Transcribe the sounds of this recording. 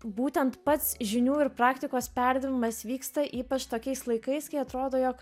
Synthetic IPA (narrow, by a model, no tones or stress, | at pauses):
buːt̪ʲɛnt̪pɐt̪sʒʲɪnʲuːɪɾpɾɑːkt̪ʲɪkoːspʲæɾʲd̪ʲɪʋʲɪmɐsʋʲiːkst̪ɐʔiːpɐt͡ʃt̪oːkʲɛɪslˠɐɪkɐɪskɐɪɐt̪ɾoːd̪oːjoːk